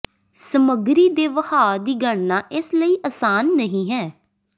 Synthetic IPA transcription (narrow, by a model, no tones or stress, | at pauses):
səməɡɾiːd̪eːʋəhaːd̪iːɡəɳnaːʔɪsləiːʔəːsaːnːəɦĩːɦɛː